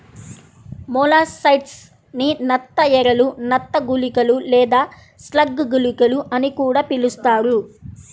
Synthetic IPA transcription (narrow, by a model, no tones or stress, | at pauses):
mɔːlaːsɐjʈs | ninɐt̪ːɐɛɾɐlunɐt̪ːɐɡulikɐlulɛːd̪aː | slɐɡːɡulikɐluʔɐnikuːɽaːpilust̪aːɾu